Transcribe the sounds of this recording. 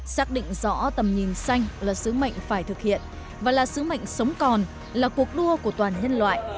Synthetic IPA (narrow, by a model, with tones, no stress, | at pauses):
saː˦˥k̚ɗḭ̈˧˨ŋ̟zɔ̰˧˥t̪ə˨˩mɲi˨˩nsa˧jŋ̟laː˨˩sɨ˨˦mə̰˧˨jŋ̟faː˧˩jt̪ʰɨ˨˩k̚hḭ˧˨ən | vaː˨˩laː˨˩sɨ˨˦mə̰˧˨jŋ̟sə˨˦wŋ͡mkɔ˨˩n | laː˨˩ku˨˩ək̚ɗu˧əku˧˩ət̪waː˨˩nɲə˧nlwa̰ː˧˨jʔ